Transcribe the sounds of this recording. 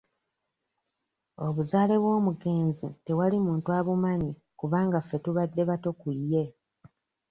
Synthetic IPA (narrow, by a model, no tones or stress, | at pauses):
o̞βuzaːle̞βwo̞ːmuɡe̞ːnzite̞walimuːntuaβumaɲi | kuβaːŋɡafːe̞tuβadːe̞βato̞kujːe